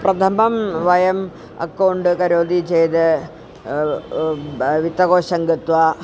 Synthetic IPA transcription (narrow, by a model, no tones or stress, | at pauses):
prɐt̪ʰɐmbɐmʋɐjɐm | ɐ̰kːɐwɳɖɨkɐɾoːd̪it͡ɕejt̪ɨ | ʋit̪ːɐɣoːɕɐŋɡit̪ʋɐ